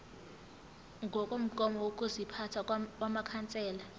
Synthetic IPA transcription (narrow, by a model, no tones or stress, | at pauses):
ŋɡʱɔkʼom̩kʼɔmɔwokʼuzipʰatʰawamakʰant͡sʼɛːla